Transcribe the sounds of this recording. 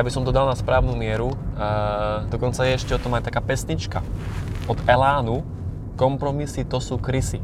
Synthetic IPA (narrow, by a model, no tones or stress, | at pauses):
jabisɔmd̪ɔd̪alnaspɾaːʊnumɪɛɾu | d̪ɔkɔnt͡sajɛɛʃcɛɔt̪ɔmajt̪akaːpɛsɲit͡ʃka̰ɔd̪ɛlaːnu | kɔmpɾɔmisit̪ɔsuːkɾisi